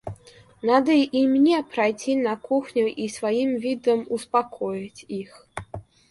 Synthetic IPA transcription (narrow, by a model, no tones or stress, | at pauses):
nad̪ɐimnʲɛpɾajt͡sʲinɐkuxnʲuʔisvajimvʲid̪ɐmuspakʰɔjɐt͡sʲix